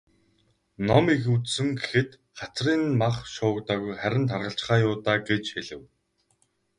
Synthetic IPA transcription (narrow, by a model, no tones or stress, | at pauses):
nɔmixut͡ssɘ̆ŋɡexɘ̆t̪ | χat͡sriːnmaχʃʊːkt̪aːɣujχæɾʲɪ̆nt̪ʰarʁə̆ɬt͡ɕ̆χaːjʊːt̪aːɡet͡ɕxeɮɘ̆w